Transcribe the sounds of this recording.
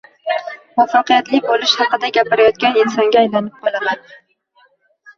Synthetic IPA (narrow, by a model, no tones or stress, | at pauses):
mɒfːɑqɨjat̪lɪbolɪʃhɑqɨd̪aɡʲapɪɾajɒt̪̚kʲanɪnsɒŋɡʲaːjlanɪp̚qʰɒlˠaman